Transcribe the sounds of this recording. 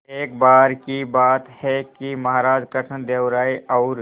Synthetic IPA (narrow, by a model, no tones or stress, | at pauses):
eːkbaːɾkibaːt̪hɛkimɐɦaɾaːd͡ʒkəʈʰənd̪eːʋɾaːiɔʊɾ